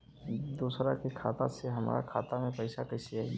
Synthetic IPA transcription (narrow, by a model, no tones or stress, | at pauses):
d̪uːsɾakekʰaːt̪aseɦɐma̰ːɾa̰kʰaːt̪amẽpɐɪʃakɐɪsiai